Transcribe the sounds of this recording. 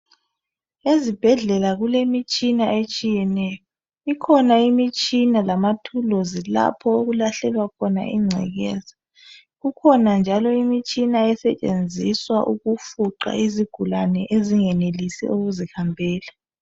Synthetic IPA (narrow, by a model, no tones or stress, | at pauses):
ezib̥ʱɛɮɛlaɣulemit͡ʃʼinaʔet͡ʃʼijɛnɛjɔ | ikʰɔnaimit͡ʃʼinalamatʰulozila̰pʰɔoɣulaɬɛlwakʰɔna̰ḭŋ͡ǀʱɛ̰ɣɛːza | ɣukʰɔnand͡ʒʱalɔimit͡ʃʼinaɛsɛt͡ʃʼḛnd͡zʱiswaʔuɣufuǃa̰iziɡ̥ʱulanɛʔeziŋɛnelisɛ̰uɣuzihambʱɛːla